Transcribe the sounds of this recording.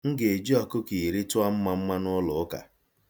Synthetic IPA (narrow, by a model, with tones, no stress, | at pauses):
ŋ̩˦ɡe˨d͡ʒi˦ɔ˨kʊ˦ki˨ɾi˦tʊ˦a˦m̩˦ma˦m̩˦ma˦nʊ˦lʊ˨˦ka̰˨